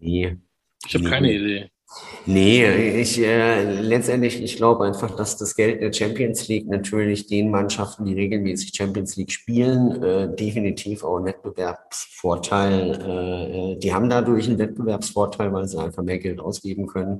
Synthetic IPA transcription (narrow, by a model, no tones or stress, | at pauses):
ne | ɪçhabkʰaɪnəideː | nəɪçɛːlɛt͡stʔɛntlɪçɪçɡ̥laʊbəʔaɪnfaχd̥asd̥asɡ̥ɛlt̚d̥eːɐt͡ʃɛmpiənsliːk̚natʰyːɐlɪçd̥eːnmanʃaftn̩diːʁeːɡl̩mɛːsɪ̥çt͡ʃɛmpiənsliːkʃpiːlənɛːdefinitʰiːfa̰ʊxnvɛt̚b̥əvɛɐpsfoːɐtʰaɪlʔɛːɛːd̥iːha̰ːbm̩daːdʊɐçnvɛt̚b̥əvɛɐpsfoːɐtʰaɪlvaɪlzia̰ɪnfaχmeːɐɡɛltʔa̰ʊsɡ̥eːbm̩kʰœnən